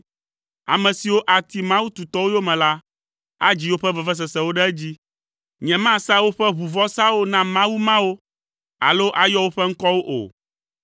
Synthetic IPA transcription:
a̰˨mɛ̃˨si˨wo˦ʔa˨t̪i˨mã˦wu˦t̪u˨t̪ɔ˦wo˦jo˦mɛ̃˨la˦ | a˦d͡ʑi˦wo˦ɸɛ˦vɛ˨vɛ˦s̬ɛ˨sɛ̃˨wo˦ɖɛ˦ɛ˦d͡ʑi˦ | ɲɛ̃˨mã˦˨sa˦wo˦ɸɛ˦βu˨vɔ˦sa˦wo˦nã˦mã˦wu˦mã˦wo˦ | a̰˨lo˦ʔa˨jɔ˦wo˦ɸɛ˦ŋ̩˦kɔ˦wo˦ʔo̰˨

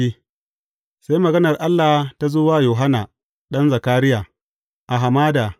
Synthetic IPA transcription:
i˦ | sa˦jmɐ˨ɡɐ˦nɐ˨rʔa˦lːa˨ta˦zoː˦waː˦joː˨ɦa˦naː˨ | ɗɐ˦nza˨kaː˦ɾɪ˦jaː˨ | ʔa˨ɦa˨maː˦da˨

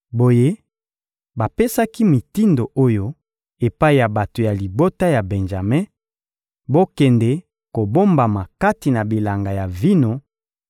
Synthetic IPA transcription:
bo˨je˦ | ba˨pe˦sa˦ki˦mi˨ti˦ndo˨ʔo˦jo˦ | e˨pa˦i˨ja˨ba˨to˨ja˨li˨bo˦ta˦ja˨bɛ˨nʒa˨mɛ˦ | bo˦kɛ˨ndɛ˨ | ko˨bo˦mba˨ma˨ka˦ti˨na˨bi˨la˨ŋɡa˨ja˨vi˦no˨

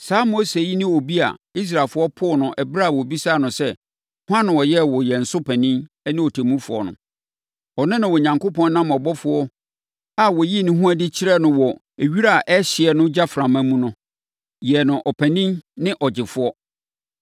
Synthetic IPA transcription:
saː˨˦mo˦se˨ji˦nɪ̃˦o˨bi˦a̰˨i˦s̬ɾa˨fʊ˦ɔ˦pʰʊ˦˨nʊ̃˨ʔɛ˨bɾa˦˨wɔ˨bi˦saː˦˨nʊ̃˨sɛ˦ | hʊ˦ã˦nʊ̃˨wɔ˨jɛ˦wɔ˨jɛ˨n̩˨sʊ˦pʰæ̃˨nĩ˦n˦ | nɪ̃˦ɔ˨tʰɛ˨mũ˦fʊ˨ɔ̰˨nʊ̰̃˨ | ɔ˨nʊ̃˦nɪ̃˨wɔ˨ɲã˨ŋko˦pʰɔ̃˦nnã˦m˨ɔ˨bɔ˦fʊ˨ɔ˦ | a˨wɔ˨ji˦˨nɪ̃˦ɦũ˦a˦dɪ˦t͡ɕʰɪ˦ɾɛ˦nʊ̃˦wɔ˨ | e˨ɥi˦ɾa˦˨ʔɛ˦ɕɪ˨ɛ˨nʊ̃˦d͡ʑa˦fɾã˨mæ˦mũ˦nʊ̃˦ | jɛ˨nʊ̃˨ʔɔ˨pʰæ̃˨nĩ˦nnɪ̃˦ʔɔ˨d͡ʑɪ˨fʊ˦ɔ˦

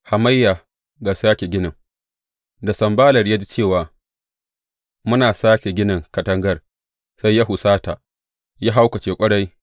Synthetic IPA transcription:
ha˨ma˦jːa˨ | ɡaː˨saː˦kʲe˨ɡʲɪ˦nɪ˨ŋ | da˨sɐ˨mbaː˦lɐ˨rja˦d͡ʒi˦t͡ʃeː˦˨waː˨ | mʊ˦naː˨saː˦kʲe˨ɡʲɪ˦nɪ˨ŋkɐ˨tɐ˦ŋɡɐ˦r | sa˦jːa˦ɦʊ˨saː˦ta˨ | ja˦ɦa˦wkɐ˨t͡ʃeː˨kʷʼɐ˦ɽa˦j

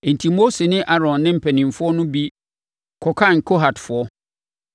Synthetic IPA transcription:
e˨n̩˨tʰi˨mo˦se˨nɪ̃˦ʔa˦ɾɔ̃˨nːɪ̃˦m̩˨pʰɛ˨nĩ˨m˨fʊ˦ɔ˦nʊ̃˦bi˦ | kʰɔ˨kʰa˦˨n˨kʰo˦ɦa˨dfʊ˨ɔ˦

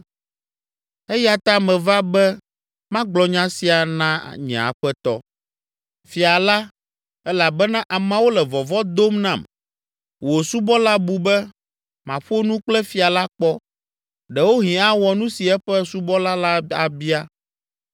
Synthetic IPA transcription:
ɛ˦ja˨t̪a˦mɛ̃˨va˦bɛ˦ | mã˦ɡ͡blɔ˨ɲã˦si˨a˨nã̰˦˨ɲɛ̰̃˨a̰˨ɸɛ˦t̪ɔ̰˦ | fi˨a˨la˦ | ɛ˦la˨bɛ˦nã˦ʔa˨mã˦wo˦lɛ˨vɔ˨vɔ˦d̪o˦mnã˦˨m | wo˨su˦bɔ˦la˦bu˨bɛ˦ | mã˨ɸo˦nũ˦k͡plɛ˦fi˨a˨la˦k͡pɔ˦ | ɖɛ˨wo˦ɦĩ˨a˦wɔ˨nũ˦si˨ɛ˦ɸɛ˦su˦bɔ˦la˦la˦a˨bi˦a˦

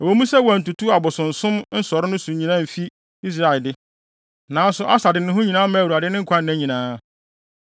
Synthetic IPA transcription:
ɛ˨wɔ˦mũ˦sɛ˦wã˨n̩˨tu˨tʰu˦a˨bʊ˨sʊ̃˨n̩˨sʊ̃˦mn̩˦sɔ˨ɾɪ˦nʊ̃˦sʊ̃˨˦ɲĩ˨nã˦m̩˨fi˦ | i˦s̬ɾa˦˨ɪ˨dɪ˦ | nãː˨˦n˦sʊ˦ʔa˦sa˨dɪ˨nʊ̃˦ɦʊ̃˦ɲĩ˨nãː˦mã˦˨u˨a˨dɪ˦nɪ̃˦ŋ̩˦kʰʷã˦n̩ː˨æ̃˦ɲĩ˨nãː˦

